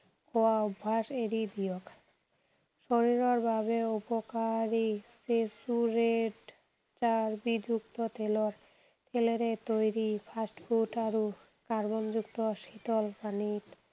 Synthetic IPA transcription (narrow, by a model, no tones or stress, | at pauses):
koaubʱːaʃeɾid̪ijok | ʃoɾiɾoɾbabeupokaɾisesuɾeɖ | t͡ɕaɾbid͡ʑuk̚t̪ot̪eloɾ | t̪ʰeleɾet̪ojɾipʰasʈfʰuʈaɾu | kaɾbond͡ʑuk̚t̪oʃit̪olpanit̪